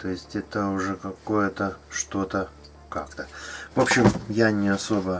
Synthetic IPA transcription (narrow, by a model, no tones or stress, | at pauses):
t̪o̞jɪsʲtʲɛt̪əʊʐɛkɐko̞jət̪əʂt̪o̞t̪ə | kakt̪əvo̞pɕːɪmjanʲɪɐso̞bə